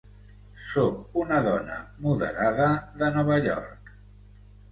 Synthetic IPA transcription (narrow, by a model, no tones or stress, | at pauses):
sokunəðɔnə̰muðə̰ɾaðəðənɔβəʎɔ̰ɾk